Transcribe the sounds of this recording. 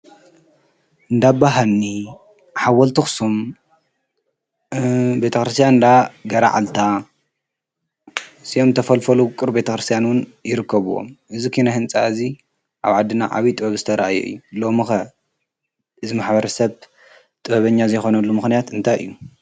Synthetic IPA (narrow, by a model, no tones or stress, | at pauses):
ʔɨnd̪abaɦalni | ħawɐlt̪ʰɨxsum | be̞t̪ʰɐkɾɨst̪ʰijand̪aɡɐɾa̰ʕa̰lt̪ʰa | siomt̪ʰɐfɐlfɐlukʼɨɾbe̞t̪ʰɐkɾɨst̪ʰjanwʊnjɪɾɨkːɐβuwo̰mʔɨzikʰinɐhɨnt͡sʼa̰ɨzi | ʔaβʕad̪ːɨnaʕa̰βit̪ʼɨbɐβzɨt̪ʰɐɾɐʔajo̰ɨ̰jːulomɨxɐ | ɨzimaħbɐɾɐsɐβ | t̪ʼɨβɐβɐɲːazɐjxo̞nɐlːumɨxnijat̪ɨnt̪ʰajʔɨ̰jːu